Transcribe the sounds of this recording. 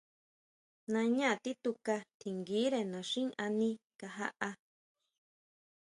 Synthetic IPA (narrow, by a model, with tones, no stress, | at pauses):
nã˧ɲã˦˨t̪i˦t̪u˧ka˧t̪ʰi˨ŋɡiː˨˦ɾe˧nã˨ʂĩ˦ʔa˧nĩ˧ka˧ɦa̰˦ʔa˧